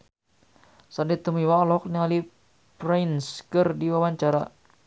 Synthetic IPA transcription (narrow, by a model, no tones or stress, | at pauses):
sandit̪əmiwaɔlɔk̚niŋali | prajnskərdiwawaɲt͡ʃaɾa̰